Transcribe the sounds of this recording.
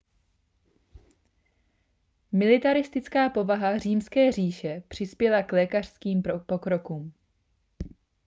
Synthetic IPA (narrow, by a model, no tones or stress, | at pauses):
mɪlɪt̪aɾɪst̪ɪt͡skaːpo̞vaɦar̝iːmskɛːriːʃɛpr̝̥ɪspjɛlaklɛːkar̥skiːmpo̞kɾo̞kuːm